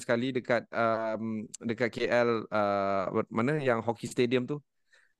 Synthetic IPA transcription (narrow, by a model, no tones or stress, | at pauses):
sə̥kalidəkat̪̚əmdəkat̪̚keʔɛlə̰manajaŋɦɔkist̪ediəmt̪u